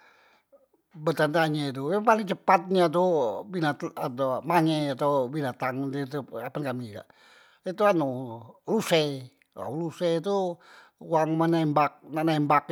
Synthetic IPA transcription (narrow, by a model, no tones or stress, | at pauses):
bət̪ant̪aɲet̪ujaŋpalɪŋt͡ʃəpat̪̚ɲat̪̬ubinat̪atomaŋɛat̪awbinat̪aŋdit̪uapankamika̰ʔ | it̪uanulusɛ | ka̰uluset̪u | uwaŋmənambak̚nanambak